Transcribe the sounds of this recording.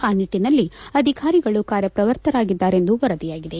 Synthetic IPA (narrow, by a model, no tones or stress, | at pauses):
aːniʈːinɐlːiɐd̪ʱikaːɾiɡɐɭukaːɾjɐpɾɐʋɐɾt̪ʰɐɾaːɡid̪ːaːɾe̞nd̪uʋɐɾɐd̪ijaːɡid̪e̞